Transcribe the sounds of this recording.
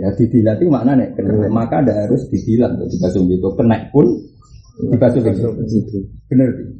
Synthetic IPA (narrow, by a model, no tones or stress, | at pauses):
jad̪̥id̪̥i̤lap̪imaʔnanɛʔkənaʔt̪omakadaʔɦaɾʊsd̪̥id̪̥ilat̪ʊ̰d̪̥ibasʊlɡit̪ʊkənaʔpʊn̥ | ibasʊliɡi | b̥ənərt̪i